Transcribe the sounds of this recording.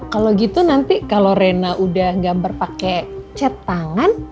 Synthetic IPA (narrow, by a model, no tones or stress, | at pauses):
kaloɡit̪unant̪ikaloɾenaʔudahŋɡabərpakɛt͡ʃət̪aŋan